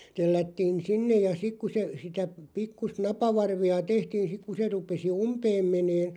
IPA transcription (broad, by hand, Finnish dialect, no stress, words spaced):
telːætːiːn sinːej̆ jɑ sik ku se sitæ pikːust nɑpɑʋɑrʋiɑ tehtiːn sik̆ ku se rupesi umpeːm meneːn